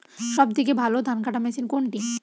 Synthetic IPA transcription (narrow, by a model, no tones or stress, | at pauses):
ʃɔb̚d̪ʱik̬ebʱalod̪ʱankaʈamɛsinkoɳʈi